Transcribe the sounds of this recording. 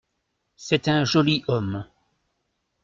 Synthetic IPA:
sɛt̪ɛ̃ʒɔliʔɔm

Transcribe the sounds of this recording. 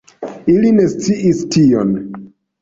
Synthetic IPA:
iline̞st͡siʔistio̰n

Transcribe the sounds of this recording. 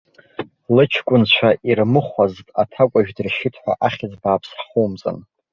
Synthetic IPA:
lɨt͡ʃʰkʷʼʊnt͡ʃʷʰaʔirmɨχʷaztʼatʰakʷʼaʒᶣdɨrʃɪtʰʼħʷa̰ʔaχʲɪd͡zbaːpʰsχumt͡sʼɨ̰n

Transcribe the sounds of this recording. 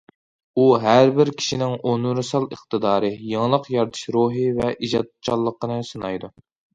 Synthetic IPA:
uɦæɾbɪɾkʲʰi̥ʃinɪŋonuɾɨsɑlˠəχt̪ʰɨd̪ɑːɾɨjeŋlˠəqjɑɾt̪ʰɨ̥ʃɾoɦɨvɛʔid͡ʒɑd̪̚t͡ʃʰɑlˠːəqʰːənɨsɨnɑjd̪u

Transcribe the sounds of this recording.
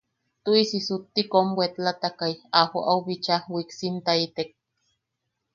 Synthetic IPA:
t̪uisisut̪ːikombwet̪lat̪akaiaha̰ʔauβit͡ʃahwiksint̪ait̪ek̚

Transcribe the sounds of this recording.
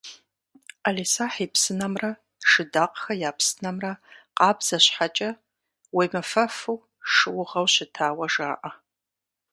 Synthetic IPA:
alisaːħiːpsɨnɐmrɐ | ʂɨdaːqxɐjaːpsɨnɐmrɐqɑːbz̥ɐɕħat͡ʃʼɐ | wejmɨfɐfɨw | ʂɨwʊʁɐwɕɪtʰaːwɐʒaːʔɐ

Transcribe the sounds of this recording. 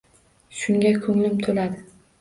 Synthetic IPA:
ʃʊŋɡʲakʰɵŋlɪmt̪ʰolad̪ɪ

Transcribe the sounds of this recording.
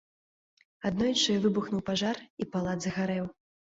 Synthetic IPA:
ad̪nɔjt͡ʂɨjɛvɨbuxnuwpaʐaripalˠad̪zɐɣaɾɛw

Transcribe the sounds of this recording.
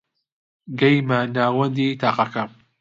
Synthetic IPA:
ɡɐjmanaːwɐnd̪iːt̪ʰaːqakɐ

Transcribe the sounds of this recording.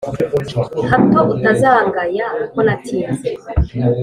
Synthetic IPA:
hatwaʔutazaŋɡajakonatʰija

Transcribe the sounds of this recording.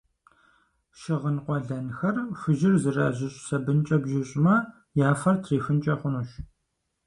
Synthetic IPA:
ʃɪʁənqʷɔɮɐnxɐrfɨʒɪrzɨra̰ːʑɪɕʼsɐbɨnt͡ʃʼɐbʒɪɕʼmɐ | jaːfɐrtʰriːfɨnt͡ʃʼɐχʷʊnuːɕ

